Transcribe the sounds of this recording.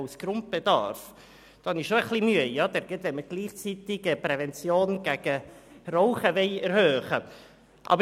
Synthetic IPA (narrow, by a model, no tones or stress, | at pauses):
ʊsɡ̥ɾʊnt̚b̥ed̥̪ɑ̰ɾf | d̥ɑnɪʃoəχlimyəjɑːd̥̪ɛɾɡɛtvɛnməɡ̥liːχt͡sit̪ɪɡəpɾɛvɛnt͡sjoːnɡ̥ɛɡ̥əroʊχəvɛɪɛɾhøːχə | ʔɑ̰bə